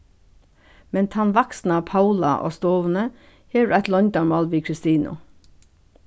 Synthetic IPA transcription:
mɛnt̪ʰɑnʋɑksn̩ɑːpʰɑʉlɑ̰ʔo̰ːst̪oːʋn̩ə | heːæt̪lɔnd̪ɑːmmoːlʋiːkʰɹɪst̪iːnʔʊ̰

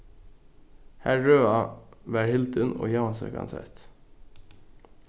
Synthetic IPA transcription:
hæɹøːɑʋæːɹhɪlt̪əno̰ːjɑːnsə̰kʰɑ̰nsɛ̰t̪

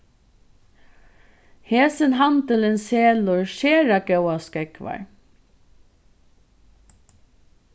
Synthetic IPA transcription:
heːsənɦant̪əlɪnseːlʊɹʃeːɾakœwaskɛkʋa̰ɹ

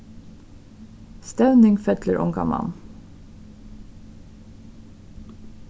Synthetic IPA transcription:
st̪æʉnɪŋfœt̪ləɹʔɔ̰ŋɡɑ̰mɑ̰n

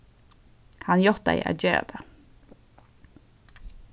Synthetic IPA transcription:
hɑnjɔt̪̚æ̰ɪæ̰d͡ʒeːɾa̰d̪ə

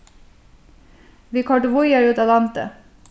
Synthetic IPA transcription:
ʋiːkʰɑɖʊʋʊjəɹʉːt̪ɑlɑnt̪ə̰

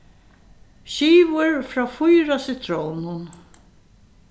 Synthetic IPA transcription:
ɕiːʋʊɹfɾaːfʊjɾasɪt̪ʰɾownʊn

